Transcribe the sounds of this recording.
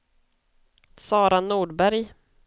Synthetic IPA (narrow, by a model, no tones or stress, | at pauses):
sɑːɾanuːɖbæɾj